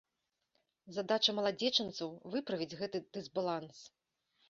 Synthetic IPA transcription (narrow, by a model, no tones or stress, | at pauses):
zad̪at͡ʂɐmɐlˠad͡zʲɛt͡ʂɨnt̪sɐwvɨpɾɐvʲid͡zʲɣɛt̪ɨd̪̥ɨzbalˠans